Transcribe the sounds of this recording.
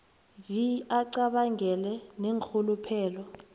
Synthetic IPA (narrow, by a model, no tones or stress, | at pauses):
jiaǀaɓaŋʱɛlɛneŋkʰulupʰɛːlɔ